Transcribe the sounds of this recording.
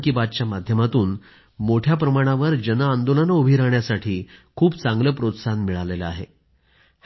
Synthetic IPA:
kibad̪̚t͡ɕjamad̪ʱjəmat̪uːn | moʈʰjap̬ɾəmaɽ̃aʋəɾd͡ʑənəand̪olənobʱiɾaɳjasaʈʰiːkʰuːpt͡sãŋɡləpɾot̪sanmiɭaleləa̰ɦḛ | h

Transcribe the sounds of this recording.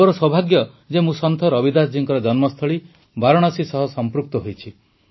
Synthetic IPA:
ɔɾɔswɔbʱaɡjɔ | d͡ʒemũsɔnt̪ʰɔɾɔbid̪asd͡ʒiŋkɔɾɔd͡ʒɔnmɔst̪ʰɔɭi | baɾɔɽ̃ɔsisɔɦɔsɔmpɾuk̚t̪ɔɦojt͡ʃʰi

